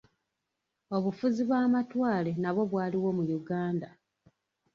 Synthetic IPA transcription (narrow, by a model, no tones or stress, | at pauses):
o̞βufuziβwaːmatwaːle̞naβwo̞βwaːliwo̞mujuɡaːnda